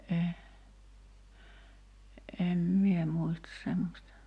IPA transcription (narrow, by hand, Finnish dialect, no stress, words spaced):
e em mie muistɑs semːosʲtɑ